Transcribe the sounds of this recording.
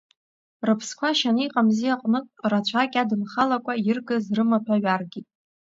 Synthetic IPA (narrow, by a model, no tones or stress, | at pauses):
rɨpʰskʷʰaʃaniqʼamziaqʼnɨkʼrat͡ɕʷʰakʲʼadɨmχalakʷʼajɪrɡɨzrɨmapʰᶣaɥarɡʲitʼ